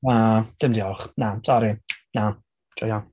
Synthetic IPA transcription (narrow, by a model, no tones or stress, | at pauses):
ad̥ɪmdiɔlχnasɔɾina | d͡ʒɔja